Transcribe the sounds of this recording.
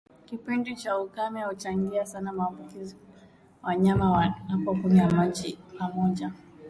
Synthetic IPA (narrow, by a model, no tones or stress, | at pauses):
kipindit͡ʃaukamɛahut͡ʃaŋɡiasanamaːmbukizi | waɲamawaapɔkunijamat͡ʃipamɔʄa